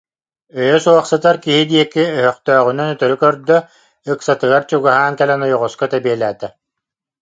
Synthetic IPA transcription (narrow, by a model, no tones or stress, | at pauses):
œjœsuɔχsɯt̪aɾkiɦid̪iɛkiœɦœχt̪œːʁynɛnœt̪œɾykœɾd̪œ | ɯksat̪ɯɡaɾt͡ɕuɡaɦaːŋkɛlɛnɔjɔʁɔskɔt̪ɛbiɛlʲæːt̪ɛ